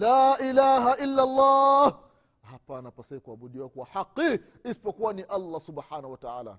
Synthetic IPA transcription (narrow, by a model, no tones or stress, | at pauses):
laːʔilaːɦaʔilːalˤːɑːh | hapanapasaikuaɓuɗiwakwahaqːi | isi̥pɔkuwaniʔalːasuɓħaːnauwataaːla̰